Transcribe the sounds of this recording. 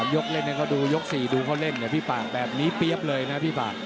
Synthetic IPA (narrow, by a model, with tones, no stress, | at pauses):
mjo˦˥k̚le˥˩nːa˥˩kʰɔ˥˩duː˧jo˦˥k̚siː˨˩duː˧kʰaː˥˩wle˥˩nː˧˨˩pʰiː˥˩faː˨˩k̚bɛː˨˩p̚niː˦˥pi˦˥əp̚lɤː˧jna˦˥pʰiː˥˩paː˨˩k̚